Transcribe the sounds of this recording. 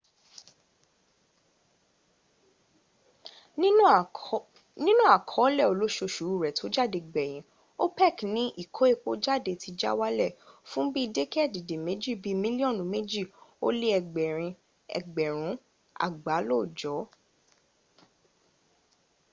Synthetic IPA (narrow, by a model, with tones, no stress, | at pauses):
nĩ˦nũ˦a˨kʰɔ˨˦lɛ˦˨o˨lo˦ʃo˧ʃu˨˦˨ɾɛ˨tʰo˨˦d͡ʒa˦˨de˧˨ɡ͡bɛ˨j̃ĩ˨˦ | o˦pɛ˦˨knĩ˨˦ʔi˦˨kʰo˨˦e˦˧k͡po˦d͡ʒa˦˨de˧˨ti˨˧d͡ʒa̰˦wa˦lɛ˦˨fũ˦bi˦˧de˦kɛ˦˨di˨de˨me˨˦d͡ʒi˦˨bi˦mĩ˦li˦ɔ̃˦˨nũ˨˦me˦d͡ʒi˦˨o˦le˦ɛ˧ɡ͡bɛ˨ɾ̃ĩ˧ | ɛ̰˨ɡ͡bɛ˨ɾ̃ũ˨˦ | a̰˦˨ɡ͡ba˨˦lo˦˨d͡ʒɔ˨˦